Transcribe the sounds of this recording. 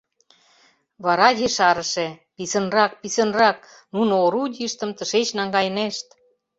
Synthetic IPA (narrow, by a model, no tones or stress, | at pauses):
βɑɾɑjeʃɑɾə̆ʃĕpisə̆nrɑk̚pisə̆nrɑk̚ | nunooɾudʲiʃt̪ə̆mt̪ə̆ʃet͡ɕnɑŋɡɑjneʃt̪